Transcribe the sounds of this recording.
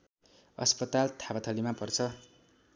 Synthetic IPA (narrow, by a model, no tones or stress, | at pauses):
ʌ̰spʌt̪alt̪ʰapat̪ʰʌlimapʌrt͡sʰʌ